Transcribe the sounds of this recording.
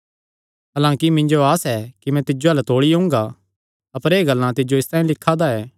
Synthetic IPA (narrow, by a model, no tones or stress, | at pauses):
ɦaːlãːkimɪ̃ɲd͡ʒoaːsɛkimɛ̃t̪ɪd͡ʒoɐlt̪oːɽiɦʊ̃ːŋ̆ɡa | ɐpəɾeːɡɐlːãt̪ɪd͡ʒoɪst̪ãːĩlɪkʰːad̪aɛː